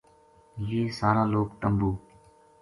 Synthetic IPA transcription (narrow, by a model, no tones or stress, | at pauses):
jeːsaːɾãːloːkt̪əmbuː